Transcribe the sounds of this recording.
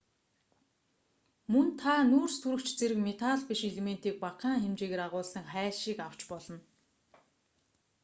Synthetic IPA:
mɵnt̪ʰanuːrst̪ʰuɾɵ̆kt͡ɕt͡seɾɘ̆kmet̪ʰaɮpiʃeɮemen̥t̪iːk̚paqaːŋxemt͡ɕeːɣeːɾaʁʊːɮsə̆ŋχæːɮʃiːkaw̥t͡ɕpɔɮɞ̆n

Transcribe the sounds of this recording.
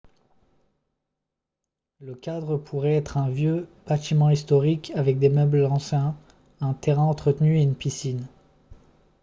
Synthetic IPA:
ləkʲad̪ʁəpʰuʁɛɛt̪χɛ̃vjøb̥at̪imɑ̃ist̪ɔʁikʰavɛk̚d̪emœblɑ̃sjɛ̃ | ɛ̃t̪eʁɛ̃ɑ̃t̪χət̪nyeynpisin

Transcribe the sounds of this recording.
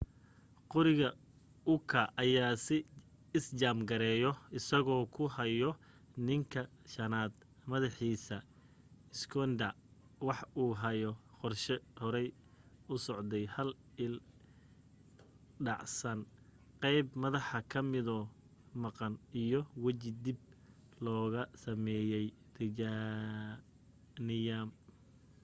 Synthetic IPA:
qɔɾɪɣɐ | ʊkʰɐʔɐjaːsɪ | ɪst͡ʃaːmɡɐɾɛːjɔɪsɐɣɔːkʰʊɦɐjɔ | nɪŋkʰɐʃɐnaːd̪ | mɐðɑħiːsɐ | ɪskʰɔnd̪ɐ | wɑħuːɦɐjɔ | qɔrʃɛhɔɾɛj | ʊsɔʕd̪ɛjhɐl | ɪl | ɖɑʕsɐn | qɛjbmɐðɑħɐkʰɐmɪðɔː | mɑqɑnijɔwɐt͡ʃɪd̪ɪb̚ | lɔːɣɐsɐmɛːjɛj | r̥ɪd͡ʒa | nɪjam

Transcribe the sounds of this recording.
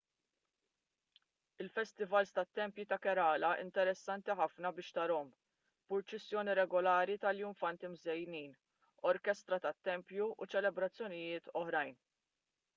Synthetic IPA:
ɪlfɛst̪ɪvɐlst̪ɐt̪ːɛmpjut̪ɐkɛɾɐːlɐʔɪ̰nt̪ɛɾɛsːɐnt̪iħɐfnɐbɪːʃt̪ɐɾɔm | pʊɾt͡ʃɛsːjɔːniɾɛɡɔlɐːɾit̪ɐljʊɱfɐnt̪imzɛjniːn | ɔɾkɛst̪ɾɐt̪ɐt̪ːɛmpjuut͡ʃɛlɛbɾɐt͡sːjɔnɪjɪːt̪ʰɔħɾɐjn

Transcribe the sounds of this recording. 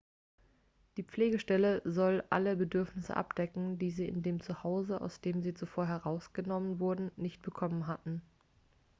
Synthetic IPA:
d̥iːp͡fleːɡəʃtɛləzɔlʔa̰ləbədʏɐfnɪsə̰ʔa̰p̚d̥ɛkŋ̩diːziːɪ̰ndeːmt͡suhaʊzəa̰ʊsd̥eːmziːt͡sufoːɐɦɛʁaʊsɡ̥ənɔmənvʊɐdn̩nɪçt̚b̥əkʰɔmənɦatn̩

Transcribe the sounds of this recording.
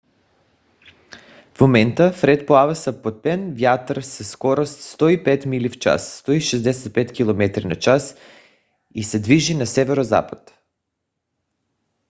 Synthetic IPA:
fmomɛnt̪əfɾɛt̪̚poavasapot̪̚pɛnvjat̪ɾsɛskɔɾost̪st̪ɔipɛt̪milift͡ʃa̰sːt̪ɔiʃɛzd̪ɛsɛt̪̚pɛt̪kʲilˠomɛt̪ɾinat͡ʃas | isɛd̪viʒinasɛvɛɾoza̰pḁt̪

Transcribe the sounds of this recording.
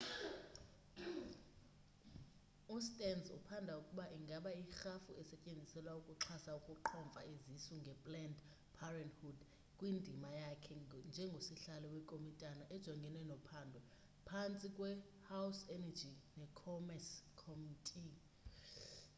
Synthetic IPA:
ustʼɛnzṵpʰandʱaukʼuɓaʔiŋɡʱaɓaixafṵɛsɛcʼend͡zʱisɛlwaukʼuǁʰasaukʼuǃʰɔɱvʱa̰ezisuŋɡʱɛpʼlɛnd | pʰarɛndhud | kʼwindʱimajakʰɛnd͡ʒʱɛŋɡʱosiɬalɔwɛkʼomitʼanaʔɛd̥ʒ̥ʱɔŋɡʱɛnɛnɔpʰaːndʱɔ | pʰant͡sʼikʼwɛ | hawsɛnad͡ʒʱinɛkʰɔmɛskʰɔmitʼi

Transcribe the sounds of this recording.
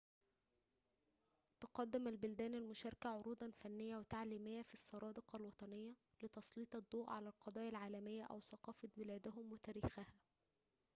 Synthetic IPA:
t̪ʊqɑd̪ːɪmælbʊld̪æːnælmʊʃɑɾˤkæʕoɾuːd̪ˤɑnfænːɪjːæwet̪aʕliːmɪjːæfisˤːɑɾˤɑːd̪ɪqɑlwɑt̪ˤɑnɪjːæ | lɪt̪ɑsˤliːt̪ˤɑd̪ˤːoːʔʕalælqɑd̪ˤɑːjɑlʕaːlæmɪjːæʔæ̰wsɑqɑːfɑbɪlæːd̪æhʊmwɪt̪æːɾiːxæhæ

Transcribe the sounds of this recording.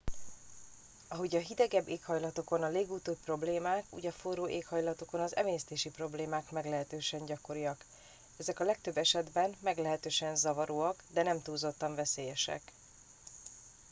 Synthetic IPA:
ɒɦo̞ɟɒɦid̪ɛɡɛbːeːkhɒjlɒt̪o̞ko̞nɒleːɡuːt̪oːpro̞bleːmaːkṵːɟɒforoːʔeːkhɒjlɒt̪o̞ko̞nɒzɛ̰meːɛst̪eːʃipro̞bleːmaːkmɛɡlɛɦɛt̪øːʃɛɲɟɒko̞ɾijɒk | ɛzɛkɒlɛk̚t̪ø̞bːɛʃɛd̪bɛmmɛɡlɛɦɛt̪øːʃɛnzɒvɒɾoːɒkd̪ɛnɛmt̪uːzo̞t̪ːɒɱvɛseːjɛʃɛ̰k

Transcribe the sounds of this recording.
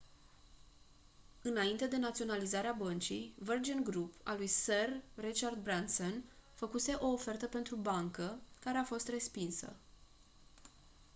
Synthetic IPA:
ɨnaint̪e̞d̪e̞nat̪sio̞nalizaɾeabənt͡ʃijvərd͡ʒənɡɾupa̰lujserːit͡ʃard̪̚bɾansonfəkuse̞ʔo̞ːfe̞rt̪əpe̞nt̪ɾubaŋkəkaɾe̞afo̞st̪re̞spinsə̰

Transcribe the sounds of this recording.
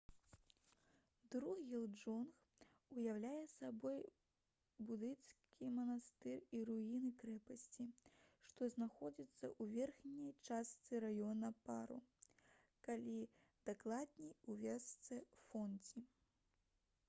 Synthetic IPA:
d̪ɾuɣʲɛlˠd͡ʐɔnx | ujawlʲajɛsabɔj | bud̪ɨnt̪skʲimɐnast̪ɨriɾuinɨkɾɛpɐsʲt͡sʲiʂt̪ɔznaxɔd͡zʲit̪sːɐ̰ʔuvʲɛrxnʲɐjt͡ʂast̪sɨɾajɔnɐpaɾṵ | kalʲi | d̪̥aklˠad̪̚nʲijuvʲɛst̪sɛfɔnd͡zʲi

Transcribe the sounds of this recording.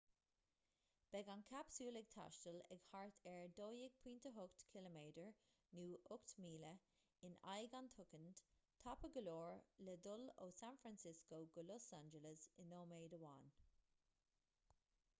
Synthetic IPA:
b̥ɛɡankʰapsuːlɛɡ̚t̪ʰa̰ʃtəlɛ̰ɡhaɹt̪ʰɛɹdoːjɪɡ̥̚pʰiːnt̪əɦʊkt̪kʰɪləmeːdəɹ | nuːʔʊkt̪miːlə | ɪna̰jɡantʰʊkənd̥t̪ʰapəɡəloːɹlɛdʊlo̰ːsanfɹansɪskoɡʊlɔsand͡ʒələsɪnoːmeːdəwa̰ːn

